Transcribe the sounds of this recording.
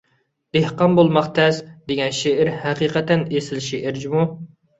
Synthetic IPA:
d̪̥ehqɑnbolˠmɑχt̪ʰɛsd̪eɡʲɛnʃeʔɪɾhæqiːqɛt̪ɛnesɪlʃeʔɪɾd͡ʒimu

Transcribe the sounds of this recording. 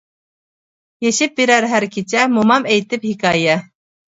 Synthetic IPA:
jeʃɪp̚biɾæɾɦæɾkʲʰit͡ʃʰɛmumɑmɛjt̪ɪphikʰɑjɛ

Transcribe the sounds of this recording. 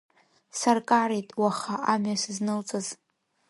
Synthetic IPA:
sarkʼaɾejtʼwaχaʔamɥasɨznɨlt͡sʼaz

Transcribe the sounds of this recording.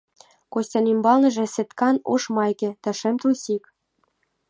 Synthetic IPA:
kosʲtʲɑnimbɑlnɤ̆ʒĕsĕt̪kɑnoʃmɑjkʲĕt̪ɑʃĕmt̪usʲik

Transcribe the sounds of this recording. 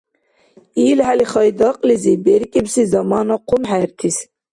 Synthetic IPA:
iːlhæliχɑjd̪ɑqʼlizibɛɾkʼibsizɑmɑːnaqʰumħæɾt̪ʰis

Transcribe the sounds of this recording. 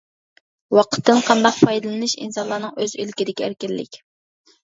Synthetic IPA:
wɑqʰə̥t̪ʰːɨnqʰɑnd̪ɑq̚pʰɑjd̪ɨlˠɨnɨʃḭnsɑnlˠɑːnɨŋøzølkʲid̪ɪkʲɛæ̰ɾkʲilːɪ̰kʲ

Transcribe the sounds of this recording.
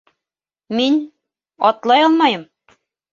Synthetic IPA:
minʲ | ɑt̪lˠɑjɤlˠmɑjɤ̆m

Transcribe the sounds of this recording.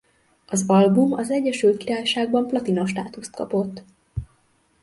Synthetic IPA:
ɒzɒlbumɒzɛɟːɛʃylt̪̚kiɾaːjʃaːɡ̚bɒmplɒt̪ino̞ʃt̪a̰ːt̪ust̪̚kɒ̰po̞t̪ː

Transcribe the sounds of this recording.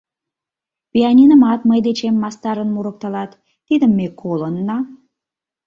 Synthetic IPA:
pʲiɑnʲinəmɑt̪məjd̪et͡ɕemːɑst̪ɑɾənmuɾək̚t̪ɑlɑt̪ː | id̪əmːekʰolənːɑ

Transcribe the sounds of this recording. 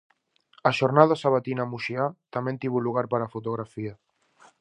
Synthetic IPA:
aʃoɾnaðasaβat̪inamuʃiat̪amẽnt̪iβulːuɣ̞aɾpəɾafut̪uɣɾafia

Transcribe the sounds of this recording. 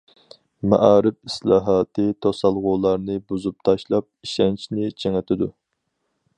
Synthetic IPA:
mɛ̰ʔɑːɾɪp̚islˠɑːɦɑːt̪ʰɨt̪ʰosɑlˠʁʊlˠɑɾnɨbuzup̚t̪ʰɑʃlˠɑp̚iʃɛnt͡ʃʰnɪt͡ʃʰeŋɛt̪ʰɪd̪u

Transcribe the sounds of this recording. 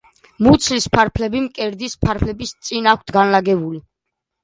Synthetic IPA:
mut̪sʰlispʰaɾpʰlɛbimkʼɛɾd̪ispʰaɾpʰlɛbist̪sʼinak̚ʰt̪ʰɡanlaɡɛbuli

